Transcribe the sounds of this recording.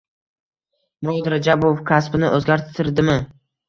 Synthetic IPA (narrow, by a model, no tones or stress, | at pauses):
mod̪ɾad͡ʒabofkʰaspɪnɪʔɵzɡʲaɾt̪ʰɪɾd̪ɪmɪ